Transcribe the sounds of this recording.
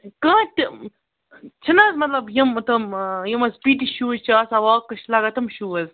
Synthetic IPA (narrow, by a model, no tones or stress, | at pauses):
kãːʈ | t͡ʃʰɐnɐzmɐt̪lɐbjɐmt̪ɐmjɐmɐspiːʈiʃuːzt͡ʃʰːsɐwaːkːɐʃlaːɡɐt̪ɐmʃuːɐz